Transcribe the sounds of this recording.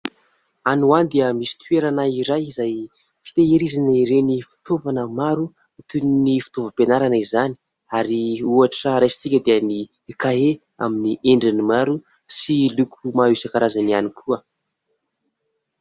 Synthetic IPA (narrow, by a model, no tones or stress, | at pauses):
anuand̪eəmisi̥t̪ueɾanaiɾajizaj | fi̥t̪eiɾizaniɾenifi̥t̪ovanəmaɾu | it̪unnifi̥t̪ovəpenaɾanəizani̥ | aɾiuaʈ͡ʂəɾajsi̥t͡sikʲəd̪eəni | kae | a̰miniʔeɳɖ͡ʐinimaɾu | silukʰumausakaɾazanianikʰuə